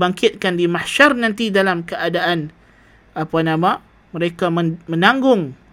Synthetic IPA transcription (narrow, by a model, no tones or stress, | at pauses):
baŋkɪt̪̚kandimahʃarnãnt̪idalamkəadaʔan | apanama | məɾekaməmə̃naŋɡʊŋ